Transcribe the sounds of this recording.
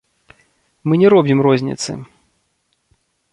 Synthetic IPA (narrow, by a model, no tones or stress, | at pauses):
mɨnʲɛɾɔbʲimrɔzʲnʲḭt̪sɨ̰